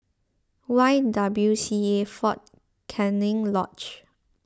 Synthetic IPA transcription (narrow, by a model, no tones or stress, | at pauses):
waɪdabljusiefɔt̚ | kʰɛnɪ̃ŋlɔ̰t͡ʃ